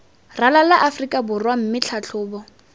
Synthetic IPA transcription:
ralalaʔafrikʼabʊrwam̩mɪt͡ɬʰat͡ɬʰʊːbɔ

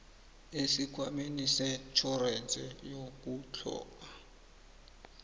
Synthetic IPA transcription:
esikʰwamenisɛt͡ʃʰɔrɛnt͡sʼɛjok̬ut͡ɬʰɔ̰ːka

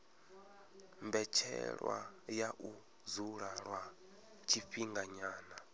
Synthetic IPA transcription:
mbɛt͡ʃʰɛ̰ɺwa̰jaʔu | zuɺaɺwa | t͡ʃʰiɸiŋɡaɲaːna

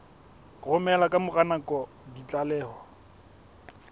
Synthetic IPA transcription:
rʊmɛlakʼamʊɣanaŋkʼɔ | dit͡ɬʼalɛːhɔ

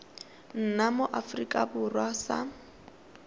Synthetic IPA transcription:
n̩namoʔafrikʼabʊrwasa̰

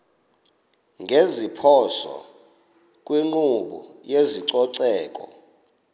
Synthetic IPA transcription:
ŋɡʱezipʰɔsɔ̰ | kʼwiŋ͡ǃuɓṵjeziǀɔǀɛːkʼɔ

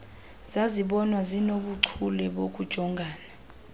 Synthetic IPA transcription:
z̥aziɓɔnwazinoɓuǀʰulɛɓok̬ud̥ʒ̥ʱɔŋɡʱaːna

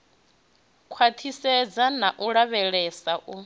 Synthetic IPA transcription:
kʰwat̪ʰisɛd͡zanaʔuɺaβɛɺɛsaʔu

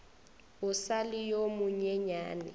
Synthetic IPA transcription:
ʊsalɪjomʊɲɛɲaːnɪ̰

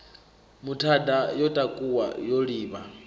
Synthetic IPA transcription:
mutʰadajɔtʼakʼuwa̰joɺiːβa

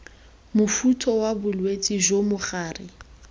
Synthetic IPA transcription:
mʊfutʰɔwabʊlwet͡sʼiʒomʊχaːrɪ

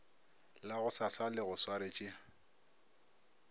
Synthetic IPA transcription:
laɣʊsasalɪɣʊswaɾɪt͡ʃʼɪ

